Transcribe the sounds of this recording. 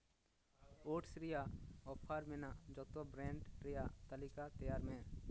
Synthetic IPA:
oːʈsɾɪjaɔːpʰaːɾmenad͡ʒɔt̪obɾɛ̃ːɳɖɾejat̪əlɪkat̪ɐjaːɾmẽ

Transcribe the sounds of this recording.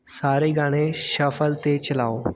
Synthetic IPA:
saɾeɡaɽ̃eɕəfəlt̪et͡ɕəlao

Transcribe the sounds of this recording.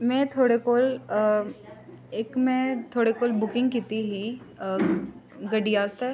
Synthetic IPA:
mɛ̃ːt̪ʰoːɽekoːl | eːkmɛ̃t̪ʰoːɽekoːlbʊkɪ̃ŋɡkit̪iɦi | ɡɐɖijaːst̪ɛː

